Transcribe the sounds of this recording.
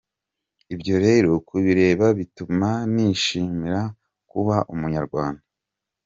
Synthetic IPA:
ibɟo̞ɾe̞ɾokuβiɾe̞ːβaβitumaniʃiːmiɾa | kuβaʔumuɲaɾɡwaːnda

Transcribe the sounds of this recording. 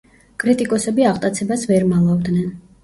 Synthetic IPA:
kʼɾit̪ʼikʼɔsɛbiaʁt̪ʼat̪sʰɛbasvɛɾmalˠavd̪nɛn

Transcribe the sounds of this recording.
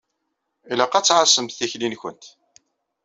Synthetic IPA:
ilæqæt͡sːʕasəmθiçlinçə̰nt̪

